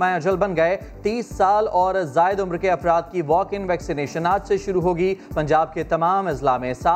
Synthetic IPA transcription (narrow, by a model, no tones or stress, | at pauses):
ãɐd͡ʒəlbɐ̃nɡɐe | t̪iːsːaːlɔːɾzaːɪd̪ʊmɾkeɐfɾaːt̪̚kiʋɔːkɪ̃ŋɡʋɛːksineːʃənaːt̪seʃʊɾuɦoːɡipɐ̃ɲd͡ʒaːb̚ket̪ɐmaːmɪzlamẽsaː